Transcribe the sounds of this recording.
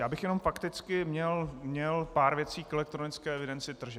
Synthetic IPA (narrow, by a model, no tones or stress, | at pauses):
jaːbɪxjɛno̞mfakt̪ɪt͡skɪmɲɛlmɲɛlpaːɾvjɛt͡siːkɛlɛk̚t̪ɾonɪt͡skɛːɛvɪdɛnt͡sɪt̪r̩ʒɛ